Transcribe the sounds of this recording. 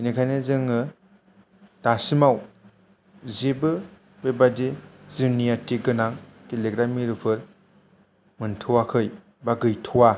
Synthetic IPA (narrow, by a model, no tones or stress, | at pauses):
inikʰajnɯzɯŋɯ | d̥asimaw | zebɯ | bebadizɯnijatiɡɯnaŋkeleɡɾamiɾupʰɯɾ | mɯntʰɯwakʰɯj | baɡɯjtʰuwa